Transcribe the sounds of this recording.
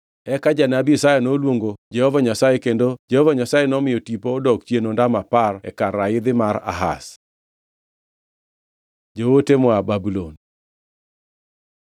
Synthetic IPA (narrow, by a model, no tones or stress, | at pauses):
ɛkad͡ʒanabiesajanolwoŋɡod͡ʒɛhɔvaɲasajekendod͡ʒɛhɔvaɲasajenɔmɪjɔtipodɔkt͡ʃjenondamaparɛ̰karaɪd̪ɪmaɾa̰ɦa̰s | d͡ʒowotemɔababulon